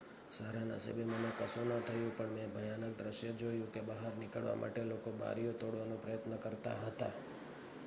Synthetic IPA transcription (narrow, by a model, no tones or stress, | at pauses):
səɦɾana̰sə̰bemənekəsonət̪ʰəjũpəɳmẽbʱəjanək̚d̪ɾəʃjəd͡ʒojũkebəɦaɾnɪkəɭʋa̰mʔa̰ʈelokoba̰ɾijot̪oɽʋanõpɾəjət̪nəkəɾt̪a̰ɦət̪a̰